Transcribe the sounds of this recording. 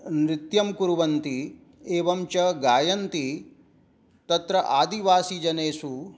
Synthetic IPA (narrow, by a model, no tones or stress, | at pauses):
nɾit̪jɐmkuɾuʋɐnt̪i | eːʋɐmt͡ʃɐɡaːjɐnt̪i | t̪ɐt̪ɾɐʔaːd̪iʋaːsid͡ʒɐneːsu